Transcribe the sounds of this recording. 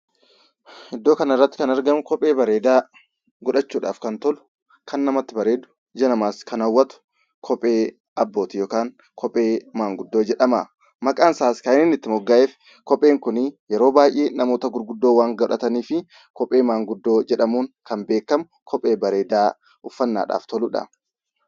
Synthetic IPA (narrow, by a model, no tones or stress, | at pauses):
ɪd̪ːo̞ːkɐnɪrːɐt̪ːɪ̥kɐnɐɾɡɐmʊkɔpʼːe̞ːbɐɾe̞ːd̪aː | ɡɔᶑɐt͡ʃːuːᶑa̰ːfkɐnt̪ɔlʊ | kɐnːɐmɐt̪ːɪbɐɾe̞ːd̪ʊ̥ | d͡ʒɐnɐmaːskɐnɐwːɐt̪ʊ̥ | kʰɔpʼːe̞ː | ɐbːo̞ːt̪ɪjoːkaːŋ | kʰɔpʼːe̞ːmaːŋɡʊd̪ːo̞ːd͡ʒɛᶑɐma̰ | mɐkʼaːnsaːskɐɪnɪnːɪt̪ːɪmɔɡːaːʔeːf | kɔpʼːe̞ːŋkʊnjɛɾo̞ːbaːjʔe̞ːnɐmo̞ːt̪ɐɡʊɾɡʊd̪ːoːwaːŋɡɐᶑɐt̪ɐniːfɪ | kɔpʼːe̞ːmaːŋɡʊd̪ːo̞ːd͡ʒɛᶑɐmuːŋkɐmbe̞ːkːɐmʊ | kʰɔpʼːe̞ːbɐɾe̞ːd̪aː | ʊfːɐnːa̰ːᶑa̰ːft̪ɔlʊᶑɐ̰